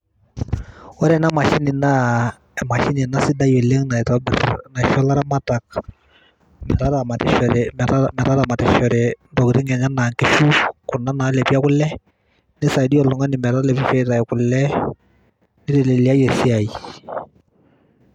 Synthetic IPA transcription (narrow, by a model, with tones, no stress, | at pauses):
ɔ˦ɾɛ˨na˦ma˨ʃi˦nɪ˨na˦ | ɛ˨ma˨ʃi˦ni˨na˦sɪ˦da˦jɔ˨le˦ŋna˨tɔ˦bɪ˨ɾna˨ʃɔ˦la˦ɾa˦ma˦ta˨k̚ | mɛ̰˨ɾa˦ɾa˨ma˨tɪ˦ʃɔ˨ɾɛmɛ˨ɾamɛ˨ɾa˦ɾa˨ma˨tɪ˦ʃɔ˨ɾɛ˨ndɔ˨kɾɪ˦ŋɛ˨ɲa˦na˨ŋkɪ˦ʃu˦kʊ˨na˦na˨˦lɛ˨pi˦a˦kʊ˦lɛ˦ | nɪ˦sa˨di˦ɔ˨lɔ˨ŋa˦nɪ˨mɛ˨ɾa˦lɛ˨pi˦fɛ˦ta˨jkʊ˨lɛ˦ | nɪ˦ɾɪ˨le˨li˨a˦jɔ˨si˦a˨i˨